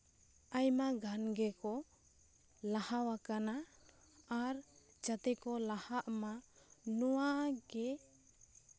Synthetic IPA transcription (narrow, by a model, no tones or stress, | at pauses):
ajmaɡʱanɡɛkɔ | lahawakanaː | ɾ | d͡ʒat̪ɛkɔlahaʔmanɔwaɡɛ